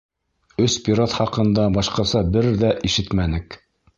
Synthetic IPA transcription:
ɵspʲiɾat̪χɑqɤ̆nd̪ɑbɑʃqɑsɑbɘɾðæʔiʃɘt̪mænɘk

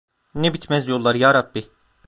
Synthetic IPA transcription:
nebit̪mɛzjo̞lˠːaɾjaːɾabːi

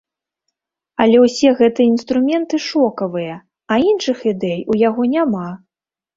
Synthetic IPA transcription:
ɐlʲɛwsʲɛɣɛt̪ɨjɐinst̪ɾumʲɛnt̪ɨʂɔkɐvɨjɐ | ɐinʂɨxid̪ɛjujaɣɔnʲama

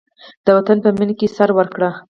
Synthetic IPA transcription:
d̪̥əwat̪anpəminkesaɾwəɾkɽa

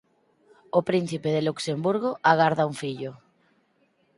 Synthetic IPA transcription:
opɾin̟θipeðeluksembuɾɣoʔaɣaɾðauŋfiʎo

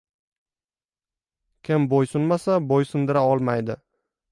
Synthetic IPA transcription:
kʲʰɪmbojsʊnmasabojsʊnd̪ɪɾaɒlˠmajd̪ɪ

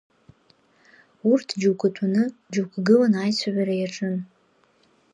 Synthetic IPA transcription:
urtʰd͡ʒukʼɨtʰunɨd͡ʒukʰʷʼɡɨlanajt͡sʷʰaʕaɾajaʈ͡ʂʼɨn

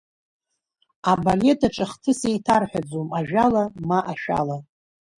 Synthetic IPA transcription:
abale̞tʰaʈ͡ʂʼɨχtʰɨsejtʰarħʷᶣad͡zomaʒᶣalamaʔaʃᶣa̰la

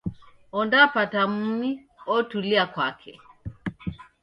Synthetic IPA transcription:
ɔndapatam̩mi | ɔtuliakwakʰɛ̰

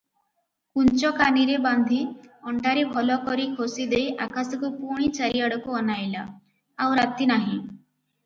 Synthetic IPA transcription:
kunt͡ʃɔkaniɾeband̪ʱiɔɳʈaɾebʱɔlɔkɔɾikʰosid̪ejʔakasɔkupuɽ̃it͡ʃaɾiaɽɔkuɔnajla̰ | awɾat̪inaɦĩ

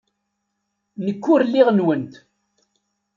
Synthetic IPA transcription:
nəkːʊɾlːiʁnwənt̪

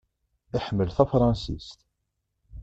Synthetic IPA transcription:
ɪħmːəlθæfɾˤɑnsḭst̪

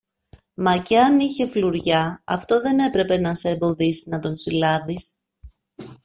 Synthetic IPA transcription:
mɐceɐniçe̞fluɾʝɐɐft̪o̞ðe̞ne̞pɾe̞pe̞nɐse̞ːmbo̞ðisiznɐt̪o̞nsilɐvis

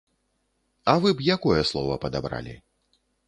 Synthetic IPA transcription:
ɐvɨbjakɔjɛslˠɔvɐ̰pɐd̪abɾa̰lʲḭ

